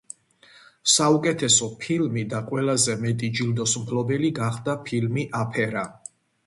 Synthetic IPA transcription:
saukʼɛt̪ʰɛsɔpʰilmid̪aqʼwɛlazɛmɛt̪ʼid͡ʒild̪ɔsmpʰlɔbɛliɡaχd̪apʰilmiʔapʰɛɾa

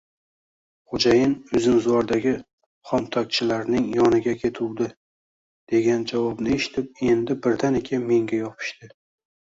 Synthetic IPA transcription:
χod͡ʒajɪnʊzɪnzwɒɾd̪aɡʲɪ | χɒnt̪ʰɒk̚ʲt͡ʃʰɪlaɾnɪŋjɒnɪɡʲakʲʰe̞t̪ʰuwd̪ɪ | d̪̥e̞ɡʲand͡ʒavɒbnɪe̞ʃɪ̥t̪ʰɪp̚e̞nd̪ɪbɪɾd̪anekʲʰanme̞ŋɡʲajɒpʰɪ̥ʃt̪ɪ

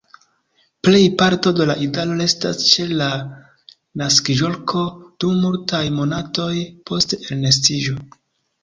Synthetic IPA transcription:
ple̞jpaɾto̞de̞laʔidalo̞ɾe̞sta̰st͡ʃe̞la | naskiʒo̞lkʰo̞d̥umultajmo̞nato̞jpo̞stelnes̬tiʒo̞

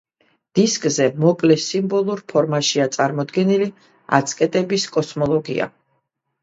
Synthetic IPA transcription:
d̪̥iskʼzɛmɔkʼlɛsimbɔlˠuɾpʰɔɾmaʃiat̪sʼaɾmɔd̪ɡɛnili | a̰t̪sʰkʼɛt̪ʼɛbiskʼɔsmɔlˠɔɡḭa̰

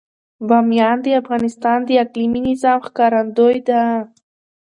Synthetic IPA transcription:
bɑmjɑnd̪əafɣɑnɪst̪ɑnd̪əakliminɪzɑmxkɑɾand̪ojd̪a

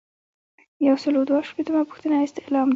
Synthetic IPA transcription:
jawsəlod̪waʃpet̪əmapu̥xt̪ənaɪst̪ɪlɑm

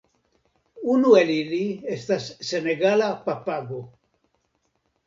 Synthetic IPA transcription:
unueliliest̪asːeneɡalapapaɡo

